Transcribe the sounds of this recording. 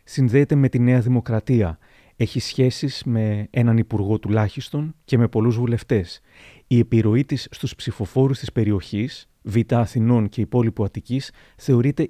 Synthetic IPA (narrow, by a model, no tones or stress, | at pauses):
sinðe̞ːt̪e̞me̞t̪ine̞ɐðimo̞kɾɐt̪iɐ | e̞çisçe̞siz̥me̞e̞nɐnipuɾɣo̞t̪ulɐçist̪o̞nce̞me̞po̞luzvule̞ft̪e̞s | ie̞piɾo̞it̪isːt̪uspsifo̞fo̞ɾust̪ispe̞ɾio̞çis | vit̪ɐːθino̞nce̞ipo̞lipuɐt̪icis | θe̞o̞ɾit̪e̞